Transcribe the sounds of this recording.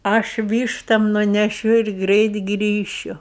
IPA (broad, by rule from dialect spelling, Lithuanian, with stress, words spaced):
ˈɐʃ ˈʋʲiːʃtɐm nʊnʲɛˈʃʲʊ ɪr ˈɡrʲɛɪt ˈɡrʲiːʃʲʊ